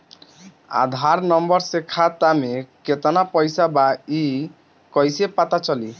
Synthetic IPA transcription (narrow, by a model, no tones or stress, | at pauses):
a̰d̪ʱaɾnɔmbɔɾsekʰat̪ameket̪ɔnapɔjsabai | kɔjsepat̪at͡ʃɔli